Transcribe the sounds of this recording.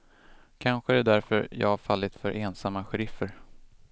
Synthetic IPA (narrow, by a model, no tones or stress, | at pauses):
kʰanɧəɛd̪æɾfœɾjɑ̰ːafalːɪt̪fœɾʔeːnsamːaɧɛɾɪfəɾ